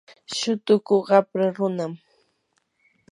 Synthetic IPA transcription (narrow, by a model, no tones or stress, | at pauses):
ʃʊt̪ʊkʊɢɑpɾaɾʊnam